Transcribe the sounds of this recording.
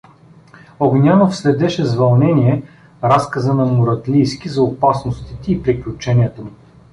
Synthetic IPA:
oɡnʲanofslɛd̪ɛʃɛzvɐlˠnɛnʲiɛ | ɾaskəzənɐmʊɾɐt̪lʲijskizɐʊpasnost̪it̪ɛːpɾiklʲut͡ʃɛnijət̪əmu

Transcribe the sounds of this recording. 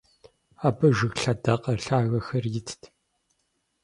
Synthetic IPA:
aːbɐʒɨɣɬɐdɐqɐrɬaːɣɐxɐrjɪtʰtʰ

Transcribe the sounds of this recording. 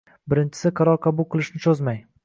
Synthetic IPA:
bɪɾɪnt͡ʃʰɪ̥sɪqʰɑɾɒɾqʰɑbʊlˠqʰɨlˠɪʃnɪt͡ʃʰozmaj

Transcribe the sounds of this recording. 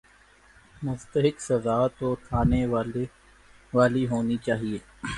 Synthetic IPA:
mʊzt̪əɦɪksɐzaːt̪ok̪ʰaːne | ʋaːliɦoːnit͡ʃaːɦieː

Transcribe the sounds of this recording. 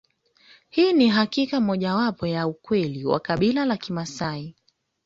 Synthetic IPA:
hiːniɦakikamɔʄawapɔjaukwɛliwa̰kaɓilalakimasai

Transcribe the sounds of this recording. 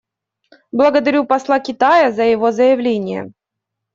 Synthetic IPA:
blˠəɡəd̪ɐɾʲupɐslˠakʲɪt̪ajəzəjɪvo̞zəjɪvlʲenʲɪjə̰

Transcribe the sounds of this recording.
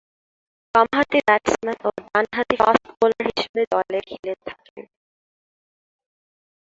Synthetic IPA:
kɔmaɦat̪ibɛʈsmanoɖ̪anɦat̪ifa̰sʈbolaɾɦiʃebed̪ɔlekʰilet̪ʰakḛ

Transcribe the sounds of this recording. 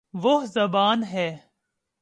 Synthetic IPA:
ʋoɦzɐbaːnɦɛː

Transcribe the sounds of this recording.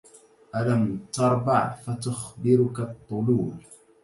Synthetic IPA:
ʔalamt̪ɑɾˤbɑ̰ʕfat̪ʊxbɪɾʊkat̪ˤːʊluːʕ

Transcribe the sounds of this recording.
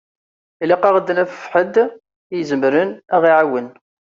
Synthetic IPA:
iliqɑʁəd̪ːənæfə̥fħəd̪ | ijzəmɾənæʁiʕawən

